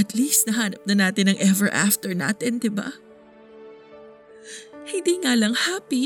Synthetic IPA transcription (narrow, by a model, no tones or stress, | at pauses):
ɐt̪liːst̪nɐɦaːnɐp̚nɐnaːt̪ɪnɐŋʔɛvɛɹʔa̰ft̪ɛɹna̰ːt̪ɛnd̪ɪba̰ | hɪnd̪iːŋaːlɐŋhaːpi